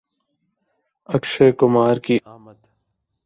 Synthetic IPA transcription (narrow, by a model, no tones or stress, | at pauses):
əkʃeːkʊmaːɾkiː